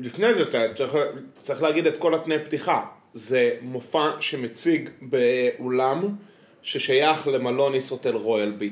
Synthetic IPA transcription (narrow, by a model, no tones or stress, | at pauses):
lifne̞jzeat͡sit͡saʁiχleːɡidetko̞latnejptiχa | ze̞mofaʃe̞met͡siɡbeʔolam | ʃeʃajaχle̞malo̞nisot̪elʁo̞jalbit